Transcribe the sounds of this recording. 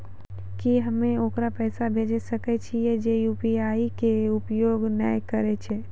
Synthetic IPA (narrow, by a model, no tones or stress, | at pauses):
kiɦəmːeokɾapɛːsabʱed͡ʒɛsəkɛt͡ʃʰijɛd͡ʒejupiaikeupjoɡnə̰jkəɾɛt͡ʃʰɛ